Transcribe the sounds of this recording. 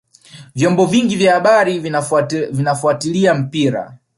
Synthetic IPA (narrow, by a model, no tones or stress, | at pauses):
vjɔmbɔviŋɡivjahaɓaɾi | vinafuatiliam̩piɾa̰